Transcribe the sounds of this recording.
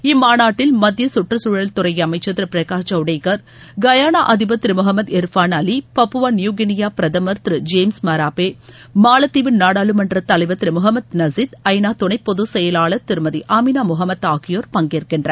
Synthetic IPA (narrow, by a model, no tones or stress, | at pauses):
ɪmːaːnaːʈːɪlmɐd̪jɐsʊʈrɐsuːɻɐlt̪ʊɾɐjɐmɐɪt͡ʃːɐt̪ːɾɯpɪɾɐkaːt͡ʃɐʊɽɐɪkɐɾ | ɡɐjaːnaːʔɐðɪbɐt̪ːɾɯmʊɦɐmːɐd̪ɛɾfaːnɐlipɐpːɯʋaːnɪjuːɡɪnɪjaːpɪɾɐðɐmɐɾt̪ɾɯd͡ʒeːmsmɐɾaːpeː | maːlɐt̪ːiʋɪnnaːɽaːlɯmɐnrɐt̪ɐlɐɪʋɐt̪ːɾɯmʊɦɐmːɐd̪nɐzɪt̪ɐjnaːt̪ʊɳɐɪpːɔðusɛjɐlaːɭɐt̪ːɪɾɯmɐðiʔaːminaːmʊɦɐmːɐt̪ːaːkɪjoːɾpɐŋɡɪɾɯkːɪɳɖrɐ